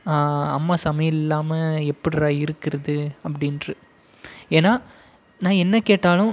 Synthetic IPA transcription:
aɐmːaːsɐmɐjɪlɪlːaːmɐɛpːɐɽɪɾaːɪɾɯkːɪɾɐðɯɐpːɐɽɪnɾɯ | eːnaː | nãːɛnːɐkeːʈːaːlʊ̃

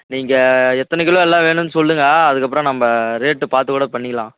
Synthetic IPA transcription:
niːŋɡɐɛt̪ːɐnɛkːɪɭõɛlːãːʋeːnɯnːɯsɔlɾɯŋɡaːɐðɯkːɐp̬ːɯɾõnɐmːɐɾeːʈːɯpaːɾt̪ɯkuːɽɐpɐɳːɪkːɐlãː

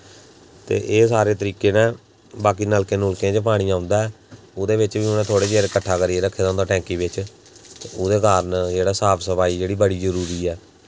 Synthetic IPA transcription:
t̪ḛːʔeːsaːɾeːt̪əɾiːkeːnãː | baːkiːnəlkẽːnʊlkẽːd͡ʒepaːɽ̃iːãːʊnd̪aːɛː | ʊd̪eːbɪt͡ʃʋiːʊnẽːt̪ʰoːɽeːd͡ʒeːɾkəʈʰːaːkəɾieːɾəkʰːeːd̪ãːnd̪aːʈɛ̃ːŋkiːbɪt͡ʃ | t̪eoːd̪eːkaːɾənd͡ʒeːɽaːsaːpʰsəpaːiːd͡ʒeːɽiːbəɽiːzəɾuːɾiːɛː

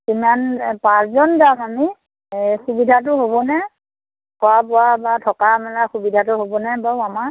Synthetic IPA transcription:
kimanpaszɔndamami | xubidʱat̬ʊɦobɔnɛ | kɔwapɔwabatʰɔkamɛlaxubidʱatʊɦobɔnɛbaama

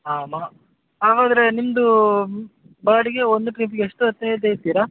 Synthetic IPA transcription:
aːmaː | aːʋaːd̪ɐɾenimɐd̪u | baːɽiɡe̞ond̪uʈɾiːpiɡeeʂʈuɐt̪ːeet̪ɐjit̪iːɾa

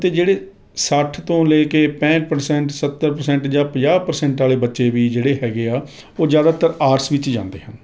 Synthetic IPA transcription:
t̪eːd͡ʒeːɽeː | səʈʰt̪õːleːkeːpɛ̃ːt͡ʃpəɾsɛ̃ːɳʈsət̪ːəɾpəɾsɛ̃ːɳʈd͡ʒãːpəd͡ʒaːpəɾsɛ̃ːɳʈaːleːbətːʃeːʋiːd͡ʒeːɽeːɦɛːɡeːaː | oːzjaːd̪aːt̪əɾaːɾsʋɪt͡ʃd͡ʒã̰ːnd̪ḛːɦən

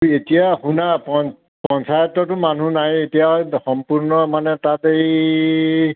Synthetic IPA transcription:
etijahunapɔn | pɔnsajɔtːɔtʊman̤unajetijaxɔmpuɹnɔmanɛtatej

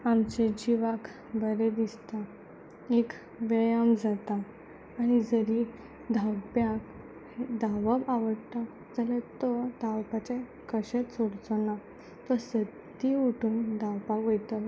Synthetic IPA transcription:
amt͡ɕed͡ʑiʋak | bəɾɛd̪ist̪a | ek | ʋəjamd͡zat̪aː | ɽ̃id͡zəɾi | d̪ʱawpjak | hed̪ʱaʋəbaʋəɽt̪a | d͡zalət̪ɔd̪ʱawpat͡ɕe | kəɕẽsoɽt͡sɔna | t̪ɔsət̪ː | iuʈʰuːnd̪ʱawpakojt̪a

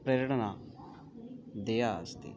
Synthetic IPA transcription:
pɾəɾəɽəna | d̪eːjaəst̪ḛː

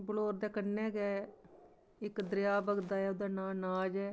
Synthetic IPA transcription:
bəloːɾd̪eːkənːɛːɡɛː | ɪkd̪əɾɪjaːbəɡd̪aːɛːod̪aːnãːnaːd͡ʒɛː

